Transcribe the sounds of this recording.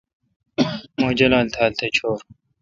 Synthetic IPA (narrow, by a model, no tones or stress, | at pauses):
mod͡ʑɐlaːlt̪ʰaːlt̪ʰet͡ɕʰoːɾ